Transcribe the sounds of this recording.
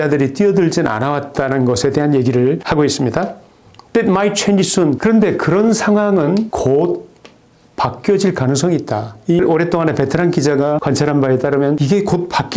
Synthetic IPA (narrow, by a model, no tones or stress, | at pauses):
adɯɾit͈iʌdɯɭd͡ʑina̰nawat̚t͈anɯnɡʌsʰe̞te̞ɦanje̞ɡiɾɯɭhaɡois͈ɯmɲida | t͈edmait͡ɕʰwend͡ʑis͈ɯnkɯɾʌnde̞kɯɾʌnsʰaŋɦwaŋɯnkot̚ | pak͈jʌd͡ʑiɭkanɯŋsʰʌŋiːt̚t͈aiɾoɾe̞t͈oŋane̞pe̞tʰɯɾankid͡ʑaɡakwant͡ɕʰaɾɦanbaet͈aɾɯmjʌniɡe̞kot̚pak͈